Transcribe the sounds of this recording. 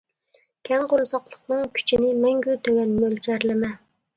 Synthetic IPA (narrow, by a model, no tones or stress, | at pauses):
kʲʰɛŋqoɾzɑqlˠəqnɨŋkʲʰy̥t͡ʃʰinɪmɛŋɡʲyt̪ʰømɛnmølt͡ʃʰæɾlɪmɛ